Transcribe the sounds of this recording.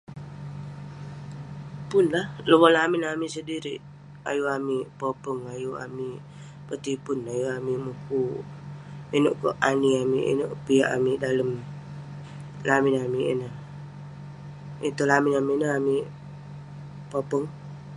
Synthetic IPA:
pʊnlahlobɔlamɪnamisədiɾiʔ | a̰juamipopəŋajua̰mi | pət̪ipʊnajuamimuku | inoʔkɔ̰ʔaniamḭʔḭnoʔpiaʔamidaləm | lamɪnamiʔḭnəh | it̪ulamɪnamiʔnəɦami | popəŋ

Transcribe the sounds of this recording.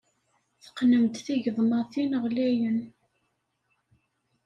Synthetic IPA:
θə̥qnəmt̪θiʝəðˤmɑθinəʁlæjən

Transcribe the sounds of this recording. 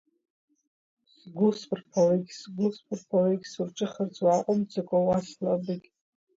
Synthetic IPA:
sɡʷʊspʰʼrpʰawejkʲsɡʷʊspʰʼɨrpʰawejɡʲsurʈ͡ʂʼɨχərt͡sʼwaqʷʼʊmt͡sʰʼakʷʼawaslabɨkʲ

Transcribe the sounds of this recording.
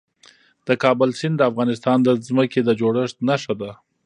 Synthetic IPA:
d̪̥əkɑbəlsɪnd̪d̪əafɣɑnɪst̪ɑnd̪əzməked̪əd͡ʒoɽəʂt̪naʂad̪a

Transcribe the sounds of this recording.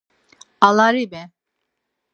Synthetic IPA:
alaɾibɛ

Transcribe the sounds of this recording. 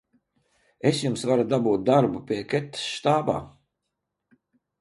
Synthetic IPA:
esjumsvaɾud̪abuːt̪̚d̪aɾbupʲiɛkɛt̪ːḁsʃt̪aːba̰ː

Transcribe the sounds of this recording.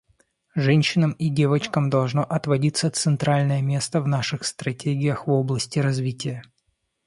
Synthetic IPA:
ʐɛnʲɕːɪnəmidʲevət͡ɕkəmd̪ɐlˠʐnoʔɐt̪vɐdʲit̪sət̪sɨnt̪ɾalʲnəjəmʲe̞st̪əvn̪aʂɨxst̪ɾɐtʲeɡʲɪjəxvoblˠəsʲtʲɪɾɐzvʲitʲɪjə

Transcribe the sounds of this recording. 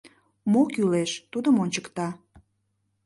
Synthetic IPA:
mokyleʃt̪ud̪əmonʲt͡ɕə̥kt̪ɑ

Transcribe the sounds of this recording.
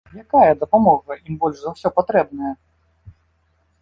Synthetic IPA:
jakajɐd̪ɐpamɔɣɐimbɔlʲʂzawsʲɔpat̪ɾɛbnɐjɐ

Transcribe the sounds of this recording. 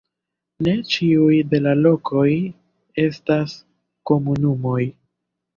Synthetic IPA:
ne̞t͡ʃiujde̞lalo̞kʰo̞j | e̞stas | ko̞munumo̞j

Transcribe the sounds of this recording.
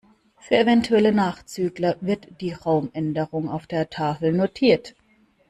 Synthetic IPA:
fyːɐevɛntʰuɛlənaːχt͡syːɡlɐvɪɐtd̥iːʁaʊmʔɛndəʁʊŋa̰ʊfd̥eːɐtʰaːfl̩notʰiːɐt

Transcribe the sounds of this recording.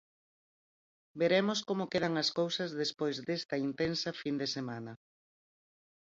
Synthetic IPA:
beɾemoskomokeð̞ɐŋɐskowsɐzðespojzd̪est̪ɐint̪ensɐfind̪esemanɐ

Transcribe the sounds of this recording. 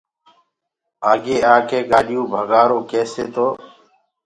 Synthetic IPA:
aːɡeːaːkeːɡaːɗɪjũːbʱəɡaːɾoːkeːseːt̪oː

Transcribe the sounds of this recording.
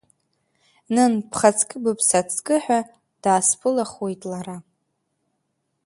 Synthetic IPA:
nɨnpʰχat͡sʰkʼɨbɨpʰsat͡sʰʼkʼɨħᶣʷa | d̥aːspʰɨlaχwe̞jtʼlaɾa

